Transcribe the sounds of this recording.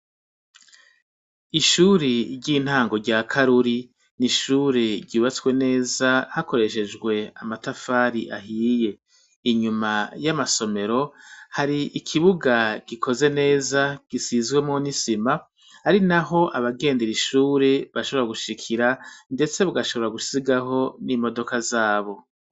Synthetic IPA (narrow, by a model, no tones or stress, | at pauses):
iʃuːɾiɾɟiːn̥haːŋɡo̞ɟaːkʰaɾuɾi | niʃuːɾeɾɟiːβat͡swe̞ne̞ːzahako̞ɾe̞ʃe̞d͡ʒɡwe̞a̰matafaːɾiʔa̰ɦiːje̞ | iɲumajamaso̞me̞ɾo̞haɾiʔikʰiβuɡaɡ̥ikʰo̞ze̞ne̞ːzaɡ̥isizɡwe̞monisima | haɾinaɦo̞ʔaβaɡe̞ːndeɾiʃuːɾe̞βaʃo̞βɾaɡuʃikʰiɾande̞t͡se̞βuɡaʃo̞βo̞ɾaɡusiɡaɦo̞nimo̞do̞kazaːβo̞